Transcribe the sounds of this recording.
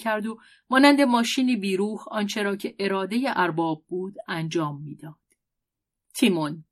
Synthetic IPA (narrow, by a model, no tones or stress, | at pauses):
cʰæɾd̪o | mɒːnænd̪e̞mɒːʃiːniːbiːɾuːhɒːnt͡ʃʰe̞ɾɒːcʰe̞ʔe̞ɾɒːd̪ejeʔæɾbɒːb̚ːuːd̪̥ænd͡ʒɒːmːiːd̪ɒːd̪̥ | t̪ʰimon